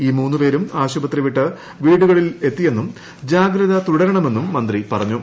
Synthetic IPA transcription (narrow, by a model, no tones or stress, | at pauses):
iːmuːnːupe̞ːɾumaːɕubɐt̪ːriʋiʈːɐ | ʋiːɽuɣɐɭile̞t̪ːije̞nːum | d͡ʑaːɡɾɐðɐt̪uɽɐɾɐɳɐme̞nːumːɐnd̪ripɐrɐɲːu